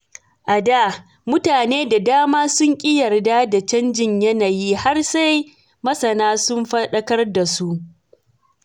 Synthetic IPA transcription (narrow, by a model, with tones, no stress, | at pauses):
ʔa˨daː˦˨ | mʊ˦taː˨neː˦da˨daː˦maː˦sʊ˦ŋkʲʼɪ˦jɐ˨rdaː˦da˨t͡ʃɐ˦nd͡ʒɪ˦ɲjɐ˦naː˨jiː˦ha˦rsa˦j | mɐ˦sɐ˨naː˦sʊ˦mɸɐ˦ɗɐ˦kɐ˦rda˨su˦ʔ